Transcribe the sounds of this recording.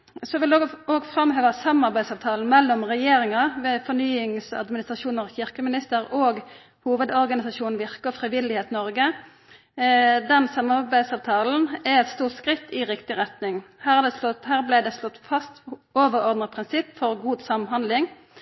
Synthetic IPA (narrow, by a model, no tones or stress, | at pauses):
sɔʋɪlːoːɡfɾɑmɦøːʋəsɑmɑʁbæɪd̪sɑːʋt̪ʰɑːln̩mɛlːɔmʁɛjeːɾɪŋɑʋeːfɔʁnyːɪŋsɑ̰d̪mɪnɪst̪ɾʁɑʃuːnəʁçɪʁkəmɪnɪst̪əɾoːɡ | huːʋəd̪ɔʁɡɑnɪsɑʃuːnn̩ʋɪʁkəfɾɪʋɪlɪheːt̪nɔɾɡə | d̪ɛnsɑmɑbæɪd̪sɑːʋt̪ʰɑːln̩ɛɛt̪st̪uːʁt̪skʁɪt̪ːɪʁɪkt̪ɪʁɛt̪nɪŋhæːʁæd̪ɛɔhæːʁblæɪd̪ɛslɔt̪ːfɑst̪oːʋəɾɔʁd̪nəʁpʰʁɪnsɪpːfɔɾɡuːd̪sɑmɦɑnd̪lɪŋ